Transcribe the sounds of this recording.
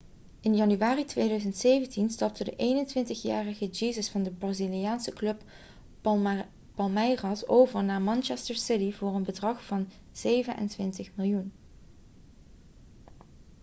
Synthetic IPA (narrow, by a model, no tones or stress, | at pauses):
ɪnjɑnyʋaːritʋejdœɥzəntsejvəntinstɑp̚tʰədə̰ʔejnəntʋɪntəxja̰ːrəɣəd͡ʒiːzəsfɑndəbrazilijaːnsəklɵp | pɑlˠmɛjrɑsowvəɹnaːɹmɑnt͡ʃɛstəɹsɪtivʊːɹənbədrɑχfɑn | z̥ejvənʔɛ̰ntʋɪntəχmɪlˠjun